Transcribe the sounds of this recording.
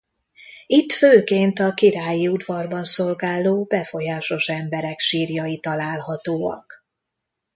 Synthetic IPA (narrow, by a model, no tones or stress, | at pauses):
it̪føːkeːnt̪ɒkiɾaːjiud̪vɒrbɒnso̞lɡaːlːoːbɛfo̞jaːʃo̞ʃɛmbɛɾɛkʃiːrjɒjit̪ɒlaːlɦɒt̪oːɒ̰k